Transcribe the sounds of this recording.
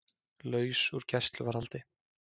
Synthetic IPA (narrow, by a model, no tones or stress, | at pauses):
lœːɥsuɾ̥cɛst̪lʏvaɾhalt̪ɪ